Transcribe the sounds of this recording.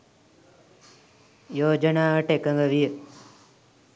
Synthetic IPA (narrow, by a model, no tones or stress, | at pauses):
joːd͡ʒənaːəʈekəŋɡəʋijə